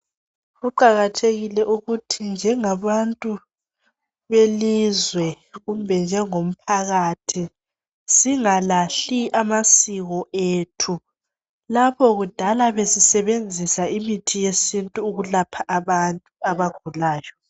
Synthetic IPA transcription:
ɣuǃaɣatʰeɣilɛʔuɣutʰind͡ʒʱɛŋaβantʼu | βelizwɛ | ɣumbʱɛnd͡ʒʱɛŋom̩pʰaɣatʰi | siŋalaɬiʔamasiɣɔʔetʰu | lapʰɔɣud̥ʱalaβesisɛβend͡zʱisaimitʰijesintʼuːɣulapʰaʔːβantʼuaβaɡ̥ʱulaːjɔ

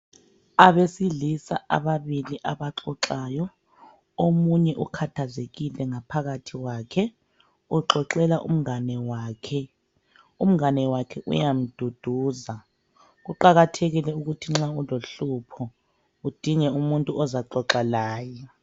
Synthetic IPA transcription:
aβesiɮisaa̰βaβiliʔaβaǁɔǁaːjɔ | omuɲɛʔukʰatʰazeɣilɛŋapʰaɣatʰiwaːkʰɛ | uǁɔǁɛlaʔṵm̩anɛwaːkʰɛ | um̩ŋanɛwakʰɛʔṵjam̩d̥ʱud̥ʱuːza | ɣuǃaɣatʰeɣilɛuɣutʰiŋ͡ǁauloɬupʰɔ | ud̥ʱiŋɛumuntʼuɔzaǃɔǁalaːjɔ

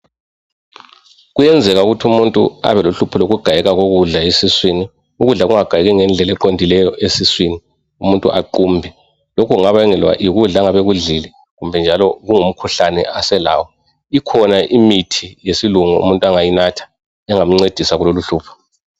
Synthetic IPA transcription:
ɣujɛnd͡zʱɛɣauɣutʰumuntʼṵa̰βɛloɬupʰɔloɣuɡ̥ʱajɛɣaɣoɣuɮaesiswini | uɣuɮaɣuŋaɡ̥ʱajɛɣɛŋɛnd͡ɮʱɛlɛǃondʱilɛjɔʔesiswini | umuntʼṵʔaǃumbʱi | lokʰuuŋaβaɛŋɛlwa̰ʔiɣuɮaŋaβeɣuɮilɛ | ɣumbʱɛnd͡ʒʱalɔɣuŋum̩kʰuɬanɛ̰asɛla̰ːwɔ | ikʰɔnaʔimitʰijesiluŋṵṵmuntʼuaŋajinatʰḁ | ɛŋam̩ŋ͡ǀed̥ʱisaɣuloluɬuːpʰɔ̥

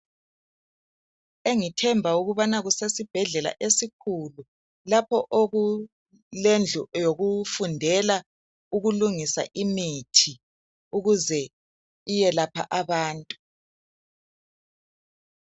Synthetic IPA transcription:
eŋitʰɛmbʱauɣuβanaɣusesib̥ʱɛɮɛla̰ʔesikʰulu | lapʰɔʔoɣu | lend͡ɮʱujoɣufundʱɛla | uɣuluŋisa̰ʔimitʰi | uɣuzɛ | ijɛlapʰa̰ʔaβaːntʼu

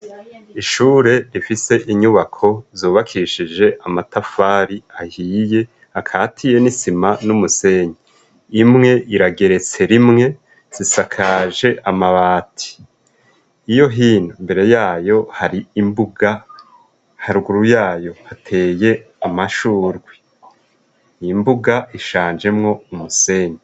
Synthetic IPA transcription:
iʃuːɾe̞ɾifise̞ʔiɲuβakʰo̞zuːβakʰiʃid͡ʒe̞ʔamatafaːɾiahiːje̞ | hakʰaːtʰije̞nisimanumuse̞ɲi | imŋe̞ʔiɾaɡe̞ɾe̞t͡se̞ɾimŋe̞ | z̥isakʰaːʒe̞ʔamaβaːtʰi̥ | ijo̞ɦiːnumbe̞ɾe̞jaːjo̞haɾiimbuɡa | haɾɡuɾujaːjo̞hatʰe̞ːje̞ | amaʃuːɾɡwi | imbuɡaiʃaːnd͡ʒe̞mŋo̞umuse̞ɲe

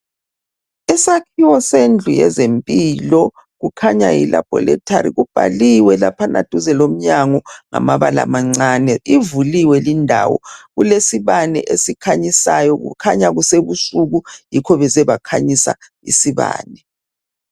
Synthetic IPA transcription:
ɛsakʰiwɔsend͡ɮʱujɛ̰zempʼilɔ | ɣukʰaɲa̰jḭla̰b̥ʱɔ̰lɛ̰tʰʼaɾḭɣub̥ʱa̰liwɛlapʰana̰d̥ʱuzɛlom̩ɲaŋɔŋa̰maβala̰maŋ͡ǀaːnɛivuliwɛlindʱawɔ̰ɣulesiβanɛ̰ʔesikʰaɲisajɔɣṵkʰaɲaɣuseβusuɣujikʰɔβɛzɛβakʰaɲisa̰ | ḭsiβa̰ːnɛ

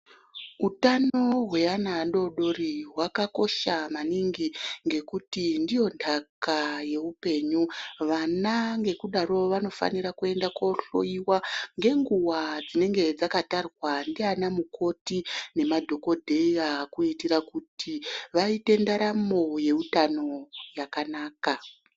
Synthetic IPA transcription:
utano̞ɦwe̞anaɗo̞ɗo̞ɾiɦwakako̞ʃamaniŋɡiŋɡe̞kutindijo̞ndʰakaje̞upe̞ɲuʋanaŋɡe̞kuɗaɾo̞ʋano̞fa̰niɾakue̞ndako̞ɬo̰iwaŋɡe̞ŋɡuwad͡zine̞ŋɡe̞d͡zakatarwandianamukʰo̞tine̞madʱo̞ko̞dʱe̞iakuitiɾakutʰiʋaite̞ndaɾamo̞je̞utano̞jakanaːka

